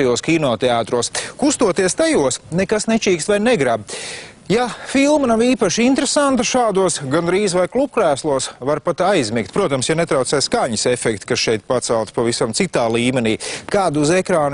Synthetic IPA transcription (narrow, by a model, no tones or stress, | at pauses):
ɛjuɔskʲinɔːt̪eaːt̪ɾuɔskust̪uɔt̪iɛst̪ajuɔsnɛkasnet͡ʃiːkst̪vajnɛɡɾab̚ | jafilˠmanaʋiːpaʃint̪ɾesant̪ɐʃaːd̪uɔsɡand̪ɾiːzvajklˠub̚kɾæːslˠuɔsvaɾpat̪ajzmikt̪ʲpɾuɔt̪amsjanet̪ɾawt̪sɛːskaɲɪsɛfɛkt̪kasʃɛjt̪̚pat̪sɛlˠt̪pavisamt̪sit̪aːlˠiːmɛniːkaːd̪uzɛkɾaːn